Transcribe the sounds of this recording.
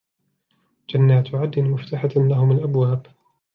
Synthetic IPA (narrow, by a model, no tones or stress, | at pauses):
d͡ʒanːaːt̪ʊʕad̪ːɪnmʊft̪aħalahʊmalʔabwaːb